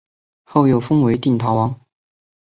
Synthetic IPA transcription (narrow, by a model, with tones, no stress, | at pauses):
xo˥˩ʊjo˨˩ʊfɤ˥ŋwe˧˥ɪt̪i˥˩ŋt̪ʰɑ˨˥ʊwɑ˧˥˦ŋ